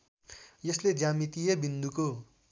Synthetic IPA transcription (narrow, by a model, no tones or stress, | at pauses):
jʌsled͡zamit̪ijebind̪uko